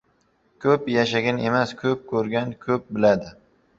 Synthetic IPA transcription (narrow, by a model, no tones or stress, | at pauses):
kʲʰɵpjaʃaɡʲane̞maskʲʰɵp̚kʲʰɵɾɡʲankʲʰɵp̚bɪlad̪ɪ